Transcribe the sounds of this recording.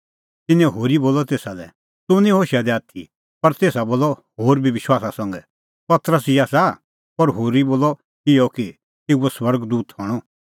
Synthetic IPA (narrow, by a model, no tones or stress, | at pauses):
t̪ɪnɛ̃ɦoːɾiboːlɔt̪eːsalɛ̰ | t̪ʊnĩɦoːʃad̪ɛaːt̪ʰi | pɐɾt̪eːsaboːlːɔhoːɾbʱiʋɪʃwaːsasɐ̃ŋɡɛ | pɐt̪ɾəs̬ɪjaːsa | pɐɾɦoːɾiboːlɔ | ɪjɔki | t̪euɔswɐɾɡd̪uːt̪hɔɽ̃ɔ